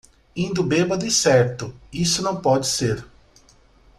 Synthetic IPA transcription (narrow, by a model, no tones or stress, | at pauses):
ĩd̪ʊbebɐd̪ɐɪsɛɾt̪ʊisʊnɐ̃w̃pɔd͡ʒɪseɾ